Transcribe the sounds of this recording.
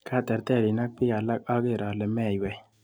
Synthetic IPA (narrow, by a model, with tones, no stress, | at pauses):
kʰa˦˨t̪ɛ˨ɾt̪ɛ˦˨ɾɪ˨na˦k̚pɪ˦ɡa˨la˦k̚ɔ˦ɡɪ˦˨ɾɔ˨lɛ˨mɛ˦˨jwɛ˨